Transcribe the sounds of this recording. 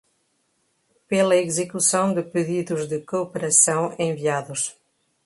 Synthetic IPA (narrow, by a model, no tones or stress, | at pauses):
pelɐezɨkusɐ̃w̃d̪ɨpɨðiðʊzðɨkopeɾɐsɐ̃w̃ẽviaðʊs